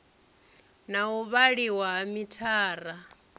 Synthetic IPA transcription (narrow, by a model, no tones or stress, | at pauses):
nauβaɺiwaɦamitʰaːɾa